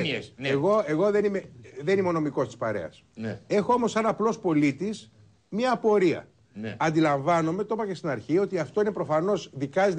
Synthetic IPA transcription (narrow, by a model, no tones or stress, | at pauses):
eɣo̞e̞ɣo̞ðe̞nimeðe̞nimono̞miko̞st̪ispɐɾe̞̰ɐ̰s | e̞xoo̞mo̞sːɐnɐplo̞spo̞lit̪is | mɲɐːpo̞ɾiɐ̰ | ɐnd̪ilɐɱvɐno̞me̞t̪o̞pɐcest̪inɐɾçio̞t̪iɐft̪oine̞pɾo̞fɐno̞zðikɐzi